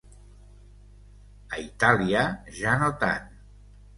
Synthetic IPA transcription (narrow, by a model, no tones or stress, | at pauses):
əit̪aliəʒanot̪a̰n